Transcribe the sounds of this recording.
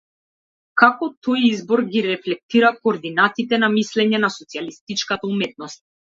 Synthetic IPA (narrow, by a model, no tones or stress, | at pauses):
kakɔt̪ʰɔjizbɔɾɡiɾɛflɛk̚t̪iɾakoːɾd̪inat̪it̪ɛnamislɛɲɛnasɔt̪sialist̪it͡ʃkat̪aumɛt̪̚nɔst̪̚